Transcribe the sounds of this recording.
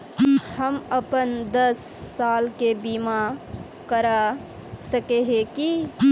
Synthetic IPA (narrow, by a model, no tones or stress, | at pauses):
hɐməpənd̪əsː | aːlkebiːma | kəɾa | səkeɦeki